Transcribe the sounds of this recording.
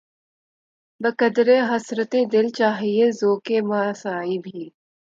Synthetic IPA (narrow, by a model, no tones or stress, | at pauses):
bəkɐd̪ɾeɦɐsɾət̪ed̪ɪlt͡ʃaːɦiezoːkemaːsaːibʱiː